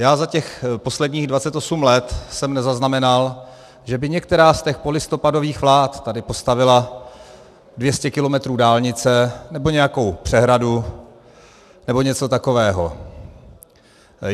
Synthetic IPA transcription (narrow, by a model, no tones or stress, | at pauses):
jaːzacɛxpo̞slɛdɲiːɣdvat͡sɛt̪o̞sumlɛt̪sɛmnɛzaznamɛnal | ʒɛbɪɲɛk̚t̪ɛɾaːst̪ɛxpo̞lɪst̪o̞pado̞viːxvlaːt̪t̪ːadɪpo̞st̪avɪla | dvjɛscɛkɪlo̞mɛt̪ɾuːdaːlɲɪt͡sɛnɛbo̞ɲɛjako̞wpr̥ɛɦɾadu | nɛbo̞ɲɛt͡so̞t̪ako̞vɛːɦo̞̰